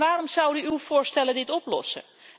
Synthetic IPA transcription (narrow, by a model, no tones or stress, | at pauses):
ʋaːrɔmzʌwdyywvʊːɹstɛlədɪtɔplɔ̰sə̰